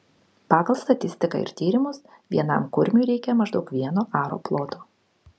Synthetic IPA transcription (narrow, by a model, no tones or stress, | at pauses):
pɑːɡɐlˠst̪ɐt̪ʲɪsʲt̪ʲɪkɐ̰ɪ̰ɾt̪ʲiːɾʲɪmʊs | ʋʲiɛnɐ̰mkʊɾʲmʲuːɾʲɛɪkʲɛmɐʒd̪ɒʊkʋʲiɛnoːʔɑːɾo̰ːplˠoːt̪oː